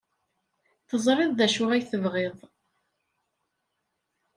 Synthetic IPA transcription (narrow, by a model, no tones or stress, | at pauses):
θəzˤɾˤɪðˤðæʃʊʁæjθəvʁɪðˤ